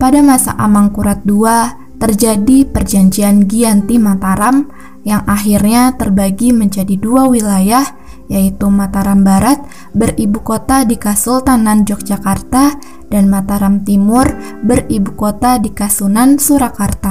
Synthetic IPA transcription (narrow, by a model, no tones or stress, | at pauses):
padamasa̰ʔamaŋkuɾat̪̚dua | t̪ərd͡ʒadipərd͡ʒaɲd͡ʒianɡiant̪imat̪aɾam | jaŋʔaɦirɲat̪ərbaɡiməɲd͡ʒadiduawilajah | jait̪umat̪aɾambaɾat̪̚ | bəribukot̪adikasʊlt̪anand͡ʒɔk̚d͡ʒakart̪a | danmat̪aɾamt̪imʊr | bəribukot̪adikasunansuɾakart̪a